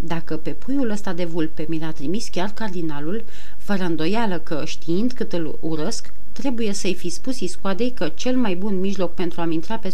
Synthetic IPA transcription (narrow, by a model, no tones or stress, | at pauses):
d̪akəpe̞pʰujuləst̪ad̪e̞vulpe̞milat̪ɾimiskʲarkard̪inalul | fəɾəɨnd̪o̞jaləkəʃt̪iind̪kɨt̪ɨl | uɾəsk | t̪ɾe̞buje̞səjfispusiskuad̪e̞jkət͡ʃe̞lmajbunmiʒlo̞k̚pe̞nt̪ɾuamint̪ɾape̞